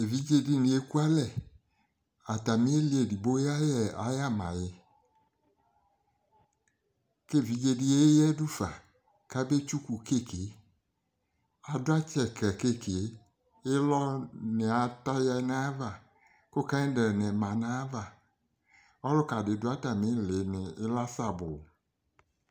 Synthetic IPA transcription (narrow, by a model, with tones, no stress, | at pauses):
e˨vi˨˦d͡ʒe˦di˦nĩ˨e˦ku˦a˦lɛ˦˨ | a˨ta˨mi˦e˦li˦e˨di˨bo˦ja˦jɛ˨a̰˨˦ja˦mã̰˨jɛ˨ | ke˦˨vi˨˦d͡ʒe˧di˦e˦jɛ˦du˦fa˨ | ka˦be˦t͡ʃu˦ku˨ke˦˨ke˨˦ | a˨dʊ˦a˦t͡ʃɛ˨kɛ˨ke˦ke˨e˨˦ | ɪ˦lɔ˦nɪ˨a˨ta˦ja˦na˦va˨ | kʊ˦kã˦dɛ˨nɛ˨mã˨na˦va˨ | ɔ˦lʊ˦ka˨dɪ˨dʊ˦a˦ta˨mɪ˦le˨˦nɪ˨ɪ˦la˦sa˨bʊ˨